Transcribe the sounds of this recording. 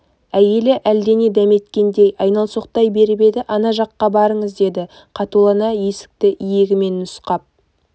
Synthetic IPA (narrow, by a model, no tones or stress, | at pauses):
æje̞lɪʔæld̪e̞ne̞d̪æme̞t̪kʲe̞nd̪e̞jɑjnɑlˠso̞qt̪ɑjbe̞ɾbe̞d̪ɪʔɑnɑʒɑqːɑbɑɾəɴəzd̪e̞d̪ɪ | qʰɑt̪ulˠɑnɑje̞sɪ̥k̚t̪ɪʔijeɡʲɪme̞nːʊsqɑp̚